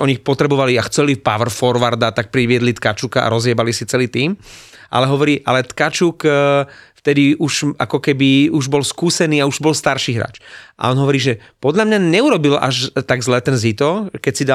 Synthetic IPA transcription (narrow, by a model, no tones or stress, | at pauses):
ʔɔɲixpɔt̪ɾɛbɔʋaliaxt͡sɛlipaʋrfɔɾʋaɾd̪at̪ak̚pɾiʋɪɛd̪lit̪kat͡ʃukaa̰ɾɔzjɪɛbalisit͡sɛliːt̪iːmʔa̰lɛɦɔʋɔɾiːʔa̰lɛt̪kat͡ʃuːk | ft̪ɛd̪iʔuʒʔakɔkɛbiuʒbɔlskuːsɛniːauʒbɔlst̪aɾʃiːɦɾa̰ːt͡ʃʔa̰ɔnɦɔʋɔɾiːʒɛ | pɔd̪ʎamɲaɲɛuɾɔbila̰ʒt̪aɡzlɛːt̪ɛnzit̪ɔkɛcsid̪a